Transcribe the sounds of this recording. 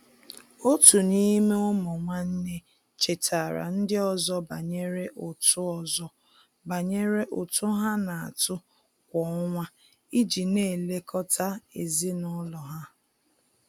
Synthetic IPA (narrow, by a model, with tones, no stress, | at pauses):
o˦tu˨ni˦me˦o˦mʊ˨ŋʷa˦n̩˦ne˦ | t͡ʃe˨tʰa˨ɾa̰˨n̩˦dɪ˦ɔ˦˨zɔ˦ba˨ɲe˦ɾe˦ʔʊ˨tʊ˦ɔ˦zɔ˦ | ba˨ɲe˦ɾe˦ʔʊ˨tʊ˦ɦa˦na˨a̰˨tʊ˦ | kʷɔ˨ɔ˦ŋʷa˦ | i˦d͡ʒi˨ne˦˨le˦kʰɔ˦tʰa˦e˨zi˦nɔ˦lɔ˨ɦa˦